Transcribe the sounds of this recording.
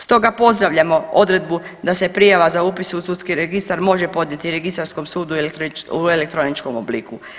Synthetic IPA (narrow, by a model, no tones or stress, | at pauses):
st̪o̞ɡapo̞zd̪ɾaʋʎamo̞o̞d̪ɾe̞d̪̚bu | d̪ase̞pɾijaʋazaupisusut̪skiɾeɡist̪aɾmo̞ʒepo̞d̪nɲe̞t̪iɾe̞ɡist̪aɾsko̞msuːd̪uuelekt̪ɾonit͡ʃko̞mobliku